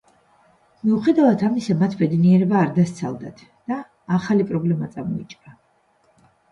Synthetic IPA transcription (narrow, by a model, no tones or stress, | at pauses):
miuχɛd̪avat̪ʰamisamat̪ʰbɛd̪niɛɾɛbaːɾd̪ast̪sʰa̰lˠd̪at̪ʰ | d̪̥aː | χalipʼɾɔblɛmat̪sʼamɔit͡ʃʼɾa